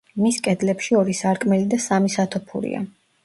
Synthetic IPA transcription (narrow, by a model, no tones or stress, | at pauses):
miskʼɛd̪lɛpʃiɔɾisaɾkʼmɛlid̪asamisat̪ʰɔpʰṵɾḭa̰